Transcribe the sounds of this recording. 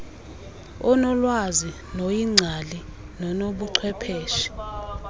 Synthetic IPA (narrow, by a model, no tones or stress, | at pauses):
ɔnɔlwazi | nojiŋ͡ǀʱali | nɔnoɓuǀʰwɛpʰeːʃi̥